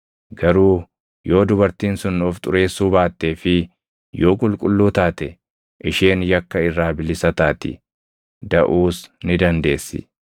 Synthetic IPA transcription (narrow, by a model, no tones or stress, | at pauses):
ɡɐɾuː | jo̞ːd̪ʊbɐɾt̪iːnsʊnːɔft̪ʼʊɾe̞ːsːuːbaːt̪ːe̞ːfɪ | jo̞ːkʼʊlkʼʊlːuːt̪aːt̪ɛ | ʔɪʃeːnjɐkːɐɪrːaːbɪlɪsɐt̪aːt̪ɪ̰ | d̪ɐʔuːsnɪd̪ɐnd̪e̞ːsːɪ̰